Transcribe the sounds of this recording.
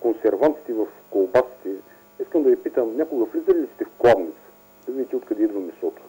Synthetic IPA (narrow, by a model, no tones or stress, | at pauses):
konsɛɾvant̪si̥t̪ɛvɐfkolˠbasi̥t̪ɛ | iskəmd̪ɐvipit̪əmnʲakolˠɡəflʲizɐɾilʲisi̥t̪ɛfklˠabnit̪sə̥ | d̪ɐvid̪ʲit̪ɛot̪kɐd̪ɛid̪vəmɛsɔt̪ʊ̥